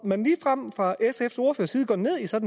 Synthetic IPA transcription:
mænliːfʁam̰fʁɑ̈ʔesefso̝ɐfø̰ɐsiːð̞̩ˠɡ̥ɒ̰ːd̥ne̝ð̞̰ˠisɒ̽d̥n̩

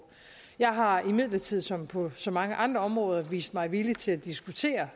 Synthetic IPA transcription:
jɑ̈ɪɦɑ̈imið̰ˠlɐt͡sʰið̰ˠsɒ̽mpʰɒ̽sɒ̽mɑ̈ŋəʔɑ̈nd̥ʁɐɒ̽mʁɔ̽ːð̞ˠɐʋḭːsd̥mɑ̈ɪʋilit͡sʰe̝læd̥isɡ̥ut͡sʰe̝̰ːɐ

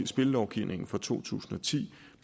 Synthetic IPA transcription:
sb̥e̝ləlɒʊɡ̥iʊ̰nʔe̝ŋn̩fɒ̽t͡sʰo̝̰ːt͡sʰṵːsn̩ɒ̽t͡sʰḭ̥ː

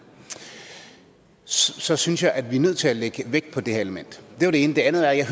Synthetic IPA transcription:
sɒ̽synsjɑ̈ɪʔæd̥ʋiɐnøð̞̰ˠt͡sʰe̝læleɡ̥əʋeɡ̥̚pʰɒ̽d̥e̝heɐe̝ləmen̰d̥d̥e̝ʋɑɾ̥ee̝ːnəd̥e̝ænð̩ˠæɐjɑ̈ɪɦ

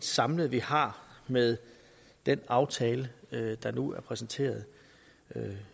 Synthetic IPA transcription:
d̥sɑ̈mləð̩ˠʋihɑ̈meðˠ | d̥enɑ̈ʊt͡sʰɛːləd̥ɑ̈nuæɐpʰʁɛsn̩t͡sʰe̝̰ːɐð̩ˠ | ø

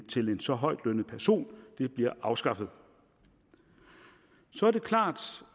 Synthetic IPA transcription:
t͡sʰe̝le̝nsɒ̽ɦɒ̽ɪ̰d̥lønəpʰæɐso̝̰ːnd̥e̝b̥liɐʔɑ̈ʊsɡ̥ɑ̈fð̞̩ˠ | sɒ̽æɐd̥e̝kʰlɑ̰̈ːd̥

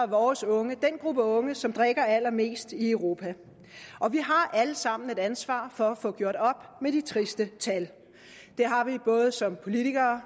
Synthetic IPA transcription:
ʋɒːsɔ̽ŋəd̥enɡ̥ʁub̥əɔ̽ŋəsɒ̽md̥ʁeɡ̥ɐæl̰ɐme̝̰ːsd̥iəʊʁo̝ːpʰæ | ʔɒ̽ʋiɦɑ̈ʔæləsɑ̈m̰n̩e̝ɾ̥ænsʋɑ̰̈ːfɒ̽æfɔ̽ɡ̥jo̝ɐ̰d̥ɒ̽b̥med̥it͡sʰʁisd̥ət͡sʰæl | d̥e̝ɦɑ̈ʋib̥ɔ̽ːð̞̩ˠsɒ̽mpʰo̝lit͡sʰiɡ̥ɐː

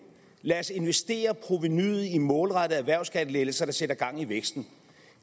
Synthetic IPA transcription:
læɐse̝nʋesd̥e̝̰ːɐpʰʁo̝ʋinyð̩ˠimɔ̽ːlʁɑɾəð̩ˠæʋæɐ̰ʊsɡ̥ædəlelsɐd̥ɑ̈seɾɐɡ̥ɑ̈ŋ̰iʋeɡ̥sd̥n̩

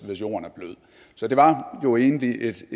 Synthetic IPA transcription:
ʋe̝sjo̝̰ːɐnæɐb̥løð̞̰ˠ | sɒ̽d̥e̝ʋɑ̈jo̝e̝ːnəliʔe̝d̥

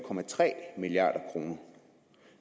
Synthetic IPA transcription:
kʰɒ̽mæt͡sʰʁɛ̰ːmiliɑ̰̈ːɾ̥ɐkʰʁo̝ːnɐ

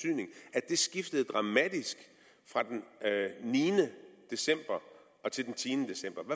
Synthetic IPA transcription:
yð̰ˠne̝ŋæ̥d̥e̝sɡ̥ifd̥əð̞̩ˠd̥ʁɑ̈mæd̥isɡ̥ | fʁɑ̈d̥enniːnəd̥e̝sem̰b̥ɐ | ɒ̽t͡sʰe̝ld̥ent͡sʰiːnəd̥e̝sem̰b̥ɐʋæ

